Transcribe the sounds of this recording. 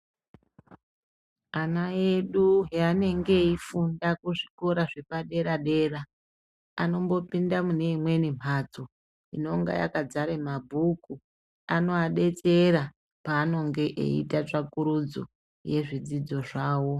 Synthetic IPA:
anaeɗuɦeane̞ŋɡe̞ifundakuʐiko̞ɾaʐe̞paɗe̞ɾaɗe̞ːra | ano̞mbo̞pindamune̞imwe̞nim̤ad͡zo | ino̞ŋɡa̰ja̰kad͡zaɾemabʱuku | ano̞aɗe̞t͡se̞ɾa | paːno̞ŋɡe̞ʔḛḭtat͡ʂakuɾud͡zo̰ | je̞ʐid͡zid͡zo̞ʐaːwo̞

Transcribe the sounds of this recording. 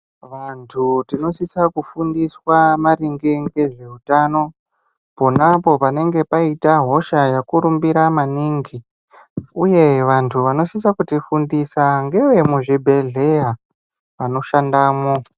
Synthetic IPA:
ʋantʰutino̞sisakufundiswamaɾiŋɡeŋɡe̞ʐe̞ɦutano̞ | po̞napo̞pane̞ŋɡe̞paitaɦo̞ʃajakuɾumbiɾamaniːŋɡi | uje̞ʋantʰuʋano̞sisakutifundisaŋɡe̞we̞muʐibʱe̞ɮe̞ja | ʋano̞ʃandaːmo

